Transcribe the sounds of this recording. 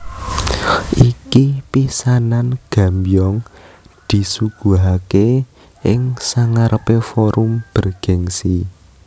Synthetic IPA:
ʔikipisananɡ̥a̤mbijɔŋ | d̪̥i̤suɡ̥ṳɦake | ɪŋsaŋaɾəpefɔɾumb̥ə̤rɡ̥ɛŋsi

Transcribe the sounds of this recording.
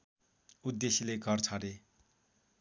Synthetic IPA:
ud̪ːesilekʌrt͡sʰʌɾe

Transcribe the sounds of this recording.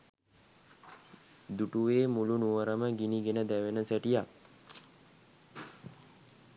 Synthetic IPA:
d̪uʈuʋeːmulunuʋəɾəməɡiniɡenəd̪æʋenəsæʈijak

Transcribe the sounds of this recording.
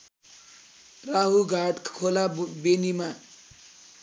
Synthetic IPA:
raɦuɡʱaɖkkʰolabenima

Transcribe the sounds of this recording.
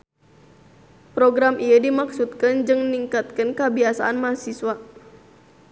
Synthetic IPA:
pɾoɡɾamʔijadimaksut̪̚kand͡ʒɨŋniŋkat̪̚kənkəbiasaʔanmasiswa

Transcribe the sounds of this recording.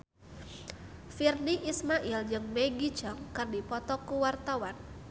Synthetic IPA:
firniʔismaʔild͡ʒɨŋmɛɡit͡ʃɔŋkɨrdipɔt̪ɔkuwart̪awan

